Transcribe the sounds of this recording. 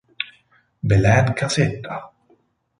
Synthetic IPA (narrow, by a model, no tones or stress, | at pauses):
belɛnkʰaset̪ʰːa